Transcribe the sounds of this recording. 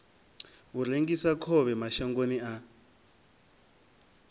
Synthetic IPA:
ureŋɡisakʰɔβɛmaʃaŋɡonia

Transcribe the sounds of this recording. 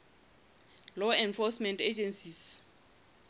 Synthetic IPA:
lɔɛ̃nfɔsmɛ̃nted͡ʒɛnsis

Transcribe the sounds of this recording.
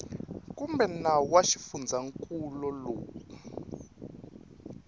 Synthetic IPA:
kumbɛnawaʃifund͡zʱaŋkʼulɔloːku̥

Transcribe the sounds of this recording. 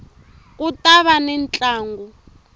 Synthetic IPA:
kʼutaβanɛnt͡ɬʼaːŋɡu

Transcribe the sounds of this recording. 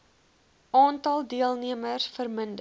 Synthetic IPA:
ɑːntɐlˠdiəlˠniəmərsfərməndə

